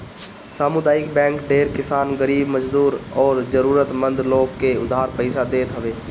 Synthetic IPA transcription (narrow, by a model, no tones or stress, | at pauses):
saːmʊd̪aːjɪkbɛ̃ːŋkɖeːɾkɪsaːnɡəɾiːbməd͡ʒd̪uːɾɔːɾd͡ʒəɾuːɾət̪mə̃nd̪loːɡkeʊd̪ʱɦaːɾpəɪsad̪eːt̪ɦɐʋeː